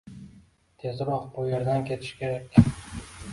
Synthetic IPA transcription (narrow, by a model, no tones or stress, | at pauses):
t̪ʰe̞zɾɒqbʊje̞ɾd̪ankʲʰe̞t̪ʰɪ̥ʃkʲʰe̞ɾakʲ